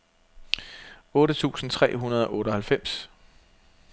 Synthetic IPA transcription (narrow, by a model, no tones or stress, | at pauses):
ɔ̽ːɾət͡sʰṵːsn̩t͡sʰʁɛ̰ːɦunɐð̞ˠɒ̽ʔɔ̽ːɾ̥ɒ̽hælfem̰s